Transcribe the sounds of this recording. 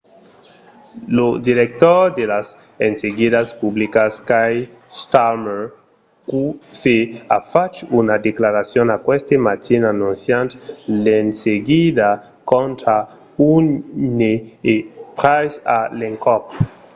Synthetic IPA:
lod̪iɾek̚t̪ɔɾd̪elas | enseɡidaspublikaskaj | st̪ame | kuseafat͡ʃunad̪eklaɾasjonakwɛst̪emat̪ʰinanũnsjant̪lenseɡid̪a | kont̪ɾa | uneepɾajsaleŋkɔp

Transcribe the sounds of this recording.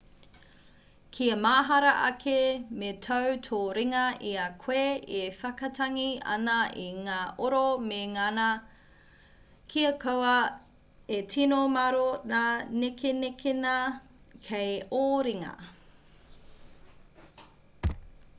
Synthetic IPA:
kʰiɐmaːɦɐɾɐʔɐkʰemetʰɐwtʰoːɾiŋɐʔiɐkʰw̥eefɐkɐtʰɐŋiɐ̰nɐʔiŋaːʔoɾomeŋanɐ | kʰiɐkʰɐwɐ | etʰinomɐɾonanekenekʰenɐ | kʰejoːɾiŋɐ̰

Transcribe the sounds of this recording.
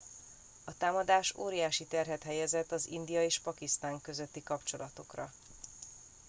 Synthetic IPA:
ɒt̪aːmɒd̪aːʃo̰ːɾijaːʃit̪ɛrɦɛt̪ɦɛjɛzɛt̪ːɒzḭnd̪ijɒeːʃpɒkist̪aːŋkø̞zøt̪ːikɒpt͡ʃo̞lɒt̪o̞krɒ

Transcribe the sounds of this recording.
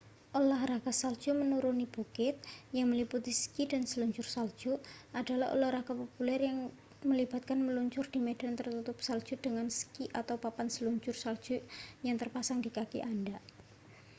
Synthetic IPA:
ʔolahraɡ̥asald̥d͡ʒ̥umənuɾunib̥okɪt̪̚jaŋməliput̪iskida̤nsəluɲt͡ʃʊrsald̥d͡ʒ̥uʔada̤laho̰lahraɡ̥apopulɛrjaŋ | məlib̥a̤t̪̚kanməluɲt͡ʃʊrd̥i̤med̥ant̪ərt̪ut̪ʊp̚sald̥ʒ̥ud̥əŋansə̥kiʔat̪awpapansəluɲt͡ʃʊrsald̥d͡ʒ̥ujaŋt̪ərpasaŋd̥ikakḭʔanda

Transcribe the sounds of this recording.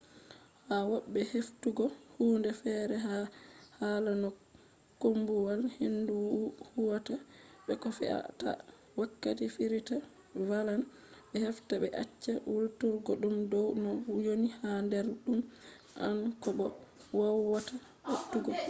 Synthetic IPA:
hawaɓːɛheftuɡɔhuːndɛfɛɾɛɦahalanɔ | kombuwalhinduhuwataɓɛkɔfɛ̰a̰ta̰ | wakːatifiɾita | valan | ɓɛhɛftaɓɛʔat͡ʃːawultuɾɡɔɗumdɔwnɔjonihandɛɾɗum | ʔa̰nkɔɓɔwawwata | hotːuɡɔ

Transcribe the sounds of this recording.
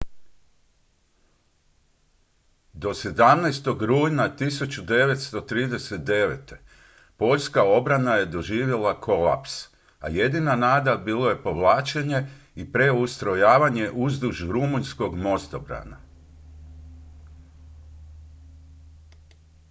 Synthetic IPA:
d̪o̞se̞d̪amnɛst̪o̞ɡɾuːjnat̪isut͡ɕud̪e̞ʋe̞t̪st̪o̞t̪ɾiːd̪e̞set̪̚d̪e̞ʋḛt̪e̞ | po̞ʎskao̞bɾanajed̪o̞ʒiːʋje̞lakʰo̞lˠa̰ps | a̰je̞d̪inanaːd̪abiːlˠo̞je̞po̞ʋlˠaːt͡ʃeɲe̞ | ipɾe̞ust̪ɾo̞jaːʋaɲe̞ʔuzd̪uʒɾumunsko̞ɡmo̞st̪obɾa̰na̰

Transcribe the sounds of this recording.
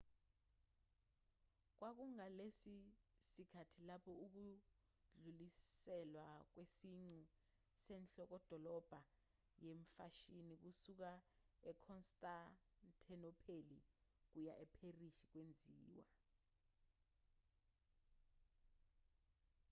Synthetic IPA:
k̬wak̬uŋalesisikʰatʰilapʰɔuk̬u | ɮulisɛlwak̬wesiŋ͡ǀu | sɛnɬɔk̬ɔd̥ʱɔlɔb̥ʱa | jeɱfa̰ʃinik̬usuk̬aɛkʰɔnstʼantʰɛnɔpʰelḭk̬ujaʔɛpʰeriʃik̬wend͡zʱiːwa

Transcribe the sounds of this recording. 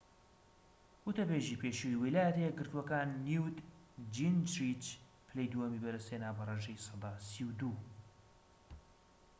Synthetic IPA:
ut̪ɐbeːʒipʰeːʃuwiwilaːjɛt̪ejɛɡɨɾt̪uwɐkaːnːiwd̪d͡ʒind͡ʒɾit͡ʃ | pʰɨlejd̪uɐmibɛɾɐsenaːbɐreʒejsɑd̪aːsiwd̪u

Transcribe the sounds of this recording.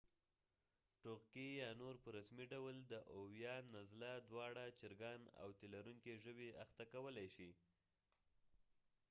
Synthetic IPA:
ʈoɣkijɑnoɾpəɾasmiɖawld̪əʔowjɑnazlad̪wɑɽat͡ʃɪɾɡɑna̰wt̪elaɾuŋkeʒəweaxt̪akawəlajʃi

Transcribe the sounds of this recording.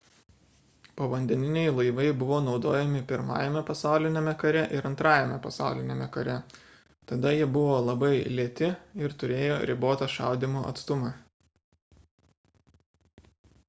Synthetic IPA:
pɐʋɐnʲd̪ʲɛnʲɪnʲɛɪlˠɐɪʋɐɪbʊʋoːnɒʊd̪oːjɛmʲɪpʲɪɾmɑ̰ːjɛmʲɛpɐsɑˑʊlʲɪnʲeːmʲɛkɐɾʲɛʔɪɾɐnt̪ɾɑːjɛmʲɛpɐsɑ̰ˑʊlʲɪnʲeːmʲɛkɐɾʲɛ | t̪ɐd̪ɐjiɛbʊʋoːlˠɐbɐɪlʲiɛt̪ʲɪɪɾt̪ʊɾʲeːjo̰ːɾʲɪboːt̪ɑʃɑ̰ˑʊd̪ʲɪmoʔɐ̰t̪st̪ʊmɑ

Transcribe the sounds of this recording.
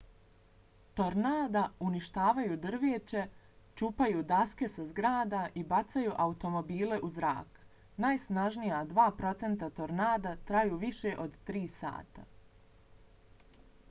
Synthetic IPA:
t̪o̞ɾnaːd̪auniʃt̪aːʋajuːd̪r̩ʋeːt͡ɕe̞ | t͡ʃuːpajuːd̪aske̞sazɡɾaːd̪aʔibat̪sajuʔaut̪o̞mo̞biːle̞ʔuzɾa̰ːk | naːjsnaʒnijad̪ʋaːpɾo̞t̪se̞nt̪at̪o̞ɾnaːd̪at̪ɾajuːʋiʃeʔo̞d̪t̪ɾiːsa̰ːt̪a̰

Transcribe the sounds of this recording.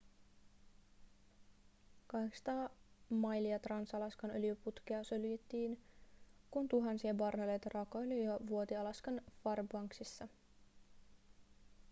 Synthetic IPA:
kɑɦeksɑ̥t̪ɑːmɑjliɑt̪rɑnsɑlɑskɑnølyjøput̪kiɑsø̞lyjet̪ːiːn | kunt̪uɦɑnsiɑbɑrnelejt̪ɑrɑkoolijoʋuot̪iɑlɑskɑnfɑrbɑŋksisːɑ

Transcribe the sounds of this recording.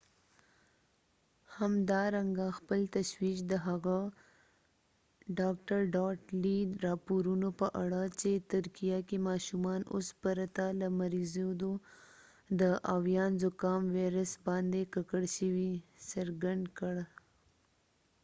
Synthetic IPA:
hamd̪ɑɾaŋɡaxpəlt̪aʃwiʃd̪əɦaɣa | ɖɑkʈaɾɖɑʈliɾɑpoɾunopəʔaɽat͡ʃet̪ʊɾkijakemɑʃumɑno̰spaɾat̪alamaɾizod̪o | d̪əʔawjɑnzʊkɑmweɾəsbɑnd̪ekakəɽʃəwisaɾɡaɳd̪kəɽ

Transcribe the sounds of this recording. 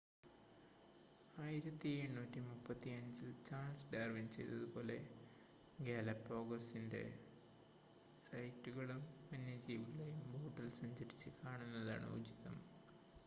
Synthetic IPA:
aːjiɾɐt̪ːie̞ɳːuːtːimupːɐt̪ːiɐɲd͡ʑɨt͡ɕaːnsɖaːrʋint͡ɕe̞jt̪ːɐðubo̞ːle̞ | ɡeːlɐpːo̞ːɡɐsinde̞̰ | sɐjtːuɣɐɭumɐnjɐd͡ʑiːʋilejumbo̞ːʈːɐlsɐɲd͡ʑɐɾit͡ɕːɨkaːɳunːɐða̰ːɳɨ̰ṵd͡ʑiðɐm

